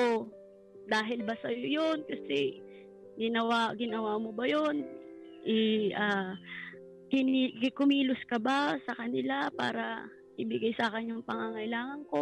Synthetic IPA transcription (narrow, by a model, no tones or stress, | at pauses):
ʔo | d̪aːɦɪlbɐsɐjojonkɐsɛ | ɡɪnɐwaɡɪnɐwaːmobɐjon | ʔɛʔaː | kɪnikɪkʊmiːlʊskɐbasɐkɐnɪlapa̰ːɾɐ | ʔɪbɪɡajsaːkɛnjʊŋpɐŋaŋɐjlaːŋɐŋko̞